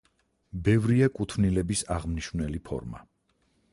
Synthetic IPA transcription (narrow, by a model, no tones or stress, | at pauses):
bɛvɾiakʼut̪ʰvnilɛbisaʁmniʃvnɛlipʰɔ̰ɾma̰